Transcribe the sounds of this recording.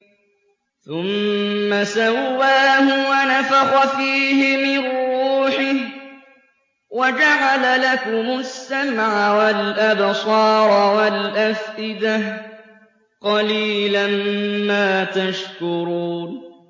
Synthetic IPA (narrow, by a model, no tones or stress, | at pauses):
θʊmːasawːaːhʊwanafaɣafiːhɪmɪruːħɪh | wad͡ʒaʕalalakʊmʊsːamʕawalʔabsˤɑːɾˤwalʔafʔɪd̪ah | qɑliːlanmaːt̪aʃkʊɾuːn